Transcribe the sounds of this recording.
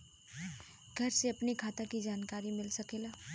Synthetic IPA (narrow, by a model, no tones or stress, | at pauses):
ɡʱəɾseɐpnikʰaːt̪akid͡ʒaːnkaːɾimɪlsəkela